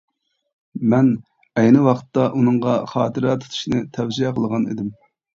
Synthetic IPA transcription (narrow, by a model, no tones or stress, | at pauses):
mɛn | ɛjnɨwɑqʰt̪ːɑʔunɨŋʁɑχɑːt̪ɨɾɛt̪ʰu̥t̪ʰu̥ʃnɨt̪ʰɛwziɛqəlˠəʁɑnḭd̪ɪm